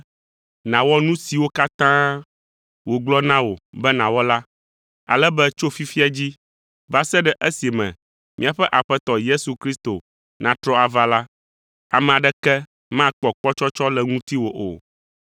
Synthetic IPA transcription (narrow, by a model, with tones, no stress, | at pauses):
nã˨wɔ˦nũ˦si˨wo˦ka˦t̪ã˦ | wo˨ɡ͡blɔ˦nã˦wo˨bɛ˦nã˨wɔ˦la˦ | a̰˨lɛ˦bɛ˦t͡ʃo˦fi˦fi˦a˦d͡ʑi˦ | va˦sɛ˦ɖɛ˨ʔe˦si˨mɛ̰̃˨ | mʔḭ̃˦a˨ɸɛ˦ʔa˨ɸɛ˦t̪ɔ˨je˦su˨kɾi˦st̪o˨ | nã˨t̪ɾɔ˦a˨va˦la˦ | a˨mɛ̃˨a˨ɖɛ˦kɛ˦ | mã˦˨k͡pɔ˨k͡pɔ˦t͡ʃɔ˦t͡ʃɔ˦lɛ˨ŋũ˦t̪i˦wo˨ʔo̰˨